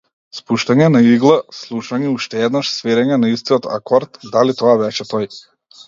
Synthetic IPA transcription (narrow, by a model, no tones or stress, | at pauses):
spuʃt̪aɲɛnaiɡlˠaslˠuʃaɲiuʃt̪ɛɛd̪naʃsvɛɾɛɲɛnaist̪iɔt̪a̰kɔɾt̪d̪alit̪ɔavɛt͡ʃɛt̪ɔj